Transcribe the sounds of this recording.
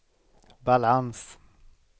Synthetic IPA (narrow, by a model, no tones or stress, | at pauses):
balʕans